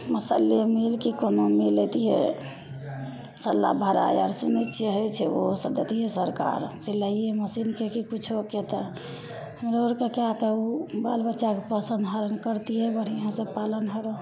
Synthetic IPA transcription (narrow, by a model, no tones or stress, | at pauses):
məsəliemilkikonomilːet̪iɦḛ | səlːa̰bʱəɾa̰ja̰ɾsunit̪t͡ʃʰeɦojt͡ʃʰɛosəd̪et̪iɦesəɾka̰ɾsiləieməsinkekikut͡ʃʰoket̪ə | həmɾoɾkekeak̪eubalbətːʃakepəsənd̪ɦəɾənd̪kəɾt̪iɦɛbəɽ̤ijãsə̃palənɦəɾɔ